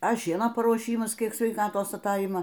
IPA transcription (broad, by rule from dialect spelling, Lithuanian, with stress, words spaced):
ɐ ˈʃʲiɛnoː pɐruɔˈʃʲiːmɐs ˈkʲiɛk sʲʋʲɛɪˈkɑːtoːs ɐˈtɐɪmɐ